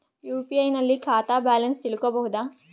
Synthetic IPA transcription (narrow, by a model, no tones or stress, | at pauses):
juːpiɐjnɐlːikʰaːt̪aːbaːlɐnst̪iɭukobɐɦud̪aː